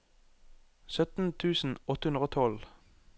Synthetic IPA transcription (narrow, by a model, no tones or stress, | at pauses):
sœt̪n̩t̪ʰʉːsn̩ɔt̪əhʉnʁəoːt̪ʰɔl